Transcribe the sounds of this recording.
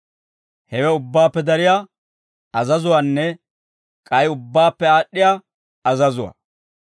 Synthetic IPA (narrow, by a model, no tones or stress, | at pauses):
hɛwɛʊbːaːpːɛd̪ɐɾɪjaː | ɐzɐzʊwanːɛ | kʼɐjʊbːaːpːɛaːɗːɪjaː | ɐzɐzʊwa̰